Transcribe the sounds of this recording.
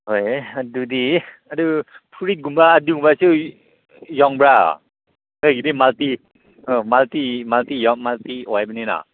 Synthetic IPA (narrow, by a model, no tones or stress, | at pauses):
ɦojadudi | adɯpʰuɾit̚ɡumbaːdɯɡumbasɯ | jɔŋbɹa̰ | hɯjɡidimalt̪i | ɯmalt̪imalt̪ijɔmalt̪iwɔjbanina̰